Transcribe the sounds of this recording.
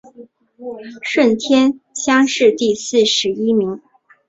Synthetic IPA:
ʂwə˥˩nt̪ʰjɛ˥nɕjɑ˥ŋʂɻ̩˥˧t̪i˥˧sɹ̩˥˩ʂɻ̩˧˥i˥mi˧˥ŋ

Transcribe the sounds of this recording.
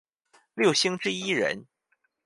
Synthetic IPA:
ljo˥˩ʊɕi˥ŋʈ͡ʂɻ̩˥i˥ɻə̰˧˥n

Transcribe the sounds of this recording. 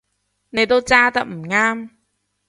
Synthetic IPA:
ne˨˩t̪o˦˧˦t͡ɕaː˧t̪a˨m̩˨˩ŋaː˧m

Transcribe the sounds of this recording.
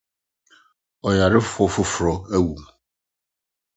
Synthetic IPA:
ɔ˨ja˨ɾɪ˦ffɔ˨fʊ˦fɾɔ˨e˦wu˨m˨

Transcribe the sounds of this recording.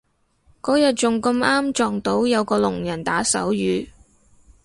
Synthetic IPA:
kɔː˨˥jɐ˨t̚t͡sʊ˨ŋkɐ˧maː˥mt͡ʃɔː˨ŋt̪o˨˥wjɐ˨˧wkɔː˧lʊ˨˩ŋjɐ˨˩nt̪aː˨˥sɐ̰˨˥wjyː˨˧

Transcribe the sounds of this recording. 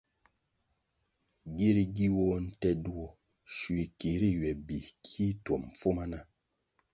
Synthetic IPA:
ɡi˦ɾi˨ɡi˦wɔ˦n̩˦tɛ˦du˦ɔ˦ | ʃi˨ki˨ɾi˦˨ɥɛ˨bi˨kʰi˦twɔ˨m˨fo˦ma˦na˦

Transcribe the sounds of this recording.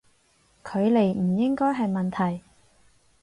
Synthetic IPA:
kʰɵ˨˧ɥle˨˩jm̩˨˩jɪ˥ŋkɔː˥jɦɐ˨jmɐ˨nt̪ʰɐ˨˩j

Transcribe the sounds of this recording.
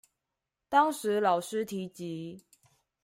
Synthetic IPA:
t̪ɑ˥ŋʂɻ̩˨˥lɑ˨˩ʊʂɻ̩˥t̪ʰi˧˥t͡ɕi˨˦

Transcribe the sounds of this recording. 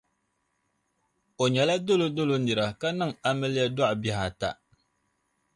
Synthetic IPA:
o˨ɲɛ˨la˦do˦lo˦do˦lo˦nɨ˨ɾa˨ka˦nɨ˦˨ŋa˦mɨ˦lɪ˦ja˦dɔ˦ʔbɛ˨ha˨ta̰˨

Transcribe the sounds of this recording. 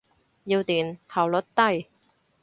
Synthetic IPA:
jiː˧wt̪iː˨˩nhɐ˨˩wlɔ˨˥t̚t̪ɐ˥˩j

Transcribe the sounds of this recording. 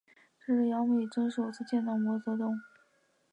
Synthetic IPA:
ʈ͡ʂ̩˥˩ʂ̩˥˩jɑ˧˥ŋme˥˩i˨˩ʈ͡ʂɤ˥ŋʂo˨˩ʊt͡sɹ̩˥˧t͡ɕjɛ˥˧nʈ͡ʂ̪ɑ˥˩mwɔ˧˥t͡sɤ˧˥t̪ʊ˥˩ŋ

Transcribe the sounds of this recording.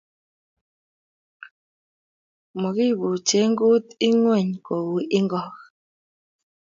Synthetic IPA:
mɔ˨ki˦˨bu˨t͡ʃe˨˦ŋ˦ɡo˦t̪i˦ŋwɛ˦˨ɲko˨wu˨ʔi˦ŋɡɔ˦˨k

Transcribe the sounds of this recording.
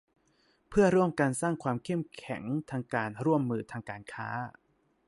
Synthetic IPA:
pʰɯ˥˩ɐɾu˥˩əmkaː˧nsaː˥˩ŋkʰwaː˧mkʰe˥˩mkʰɛ̰˩˦ŋt̪ʰaː˧ŋkaː˧nɾu˥˩əmːɯː˧t̪ʰaː˧ŋkaː˧nkʰa̰ː˦˥

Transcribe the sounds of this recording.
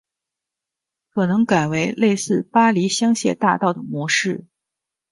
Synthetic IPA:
kʰɤ˨˩nɤ˧˥ŋka˨˩ɪwe˧˥ɪle˥˧ɪsɹ̩˥˩pa˥li˧˥ɕjɑ˥ŋɕjɛ̰˥˧t̪a̰˥˧t̪ɑ˥˩ʊd̪ə˩mwɔ˧˥ʂɻ̩˥˩

